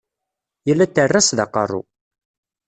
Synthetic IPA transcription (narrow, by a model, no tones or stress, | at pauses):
jəlːæt̪ːərːæsðɑqə̰rˤːṵ